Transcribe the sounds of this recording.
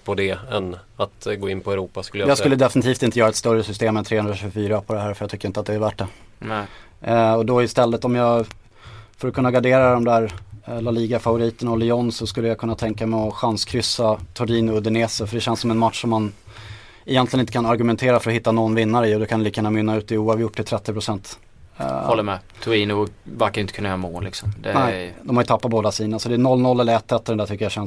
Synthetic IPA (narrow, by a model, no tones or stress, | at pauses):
pʰɔd̪ɛɛnat̪ɡoːɪnpʰɔɛɾuːpaskɵlːəjjɑːɡskɵlːəd̪ɛfɪnɪt̪ʰiːft̪ɪnt̪əjœːɾaɛt̪st̪œɾːəsʏst̪eːmɛnt̪ʰɾeːhɵnɾaɕʉːɡfyːɾapʰɔd̪ɛɦæːɾfœɾjɑat̪ʏkːəɾɪnt̪at̪d̪ɛæɾvæʈːɛ | ɔd̪ɔɪst̪ɛlːət̪ɔmjɑːɡ | fœɾɔkʰɵnːaɡaɖeːɾad̪ɔmd̪æːɾlaliːɡafavʊɾiːt̪əɳaɔlɪɔnsɔskɵlːəjakʰɵnːat̪ʰɛŋkamɛɔɧanskʰɾʏsat̪ʰʊɾiːnʊɵd̪ɛneːsəfœɖɛɕɛnsɔmɛnmat̪ʂɔmːan | ɛjɛnt̪lɪənɪt̪əkanaɾɡɵmɛnt̪ʰeːɾafœɾɔhɪt̪ːanɔnːvɪnːaɾəɪɔd̪ɵkʰanɛliːkəjæːnamʏnːaʉ̟ːt̪ɪuːɑvjʊʈːɪlt̪ʰɾɛt̪ːɪpʰɾʊsɛnt̪ | hɔlːəɾmɛt̪ʰʊiːnʊvaɾkaɾjʏɪnt̪əkʰɵnːajœːɾamo̰ːlɪ̰ksɔmd̪ɛnɛɪd̪ɔmhajɵt̪ʰapːat̪̚boːd̪asiːnəasɔd̪ɛːnɔlːnɔlːɛlːəɾɛt̪ʰːɛt̪ːɔɖɛnd̪æːʈʰʏkːəjaɕɛn